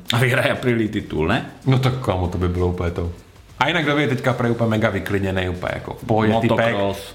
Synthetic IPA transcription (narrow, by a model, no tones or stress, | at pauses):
aʋiɦɾajapɾilit̪it̪ṵlnɛnɔt̪akkamɔt̪ɔbibɔlɔupɛt̪ɔ | ʔainaɡd̪ɔʋɪɛt̪ɛckapɾɛupɛmɛɡaʋikliɲɛnɛupɛ̰ɛ̰a̰kɔ̰pɔɦɔaɔt̪iːɔpɛkɾkɔs